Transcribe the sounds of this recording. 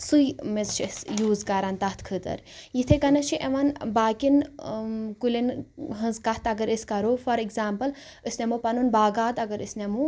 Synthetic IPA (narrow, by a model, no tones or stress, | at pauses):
sujmezt͡ʃʰsjuːzkɐɾaːnt̪ɐht̪ʰkʰɨt̪ɐ̰ɾ | jit̪ʰekɐnɐt͡ʃʰiʔeʋanbaːkin | kulinɦɨ̃nzkɐht̪ʰɐɡɐɾiskɐɾofɐɾikzaːmpɐl | ɨsnʲemupɐnunbaːɡaːt̪ɐɡɐɾɨ̰snemu